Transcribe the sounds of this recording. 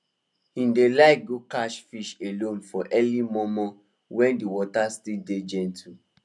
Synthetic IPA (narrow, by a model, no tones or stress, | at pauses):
hĩndelaɪk̚ɡokaʃfiʃelõnfɔʔɛlimɔmɔ | wɛ̃ndiwɔtastilded͡ʒɛ̃ntʰu